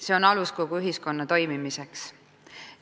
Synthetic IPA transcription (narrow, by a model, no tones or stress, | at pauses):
se̞o̞nɑlusko̞ɡ̥uyɦisko̞nːɑt̪o̞jmimise̞ks